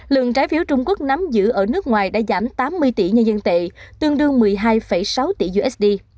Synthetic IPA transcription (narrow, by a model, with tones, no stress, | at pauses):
lɨ̰˧˨əŋt͡ɕaː˨˦jfi˨˦əwt͡ɕʊ˧ŋ͡mku˦˥k̚na˨˦mzɨ̰˧˥ʔəː˧˩nɨ˦˥ək̚ŋwaː˨˩jɗa̰ː˧˥za̰ː˧˩mt̪aː˨˦mːɨ˧əjt̪ḭ˧˩ɲə˧nzə˧nt̪ḛ˧˨t̪ɨ˧əŋɗɨ˧əŋmɨ˨˩əjɦaː˧jfə˧˩jsa˨˦wt̪ḭ˧˨zu˧ʔɛ˨˦˥sɗi˧